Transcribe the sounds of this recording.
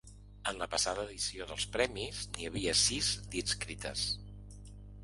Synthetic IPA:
ənləpəsaðəːðisioðəlˠspɾɛmizniəβiəsizd̪it͡skɾit̪ə̰s

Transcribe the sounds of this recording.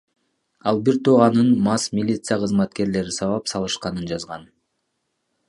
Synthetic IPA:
ɑlˠbiɾt̪ʰoʁɑnɯnmɑsmʲilʲit̪sɨjaqʰɯzmɑt̪ke̞ɾle̞ɾisɑβɑpsɑlˠɯʃqɑnɯnd͡ʒɑzʁɑn

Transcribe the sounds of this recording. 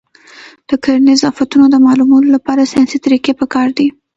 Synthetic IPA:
d̪̥əkaɾnɪzɑfat̪unod̪əmɑlumɑnolapɑɾasjɑsit̪aɾikepəkɑɾd̪i

